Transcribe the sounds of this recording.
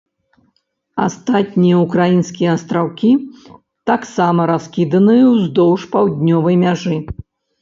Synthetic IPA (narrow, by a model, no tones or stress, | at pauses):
a̰st̪at̪ʲnʲijɐukɾajinskʲijɐɐst̪ɾawkʲi | t̪aksamɐɾaskʲid̪ɐnɨjɐwzd̪ɔwʂpawd̪ʲnʲɔvɐjmʲaʐɨ